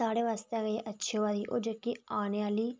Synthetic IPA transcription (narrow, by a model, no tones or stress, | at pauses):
aːɽeːʋaːst̪eːɡəeːʔətːʃʰeːʋaːɾiːʔo̰ːd͡ʒəkːiːaːneaːliː